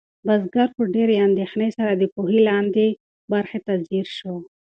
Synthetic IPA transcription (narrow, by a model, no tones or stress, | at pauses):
bazɡaɾpəɖeɾeand̪exnəjsaɾad̪əpuɦilɑnd̪e | baɾxet̪aziɾʃo